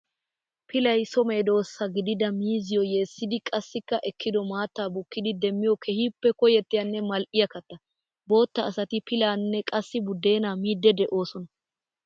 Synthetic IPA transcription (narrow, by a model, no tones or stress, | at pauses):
pʰɪlɐjsɔmeːd̪o̞ːsːɐɡɪd̪ɪd̪ɐmiːzɪjɔjeːsːɪd̪ɪkʼɐsːɪkːɐʔɛkʰːɪd̪ɔmaːt̪ːaːbʊkːɪd̪ɪd̪ɛmːɪjɔkʰɛhiːpːɛkɔjɛt̪ːɪjɐnːɛmɐlʔɪjɐkɐt̪ːɐ | bo̞ːt̪ːɐːsɐt̪ɪpʰɪlaːnːɛkʼɐsːɪbʊd̪ːe̞ːnaːmiːd̪ːɛd̪ɛʔo̞ːsɔnɐ